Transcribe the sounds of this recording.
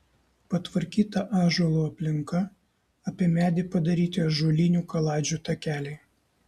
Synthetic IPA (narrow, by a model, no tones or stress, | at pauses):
pɐt̪ʋɐɾʲkʲiːt̪ɐʔɑːʒuɔlˠuːɐpʲlʲɪŋkɐ | ɐpʲiɛmʲæːd̪ʲɪpɐd̪ɐɾʲiːt̪ʲɪɐʒuɔlʲɪnʲuːkɐlˠɑːd͡ʒʲuːt̪ɐkʲæːlʲɛɪ